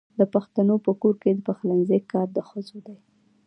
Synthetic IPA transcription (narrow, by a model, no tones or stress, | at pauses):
d̪əpaxt̪anopəkoɾked̪əpaxlanzekːɑɾd̪əxəzod̪aj